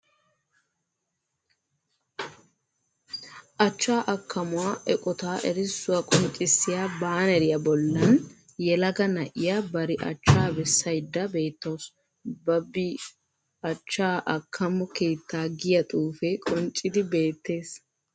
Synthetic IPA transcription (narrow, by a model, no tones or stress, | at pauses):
ʔɐt͡ʃːaːʔɐkʰːɐmʊwaːʔɛkʼɔt̪aːʔɛɾɪsːʊwɐkʼɔnt͡ʃʼːɪsːɪjaːbaːnɛɾɪjɐbɔlːɐn | jɛlɐɡɐnɐʔɪjabɐɾɪʔɐ̰t͡ʃːaːbɛsːɐjd̪ːɐbe̞ːt̪ːɐws | bɐbːɪ | ʔɐt͡ʃːaːʔɐkʰːɐmɔke̞ːt̪ːaːɡɪjɐt̪ʼuːfɛkʼɔnt͡ʃʼːɪd̪ɪbe̞ːt̪ːe̞ːs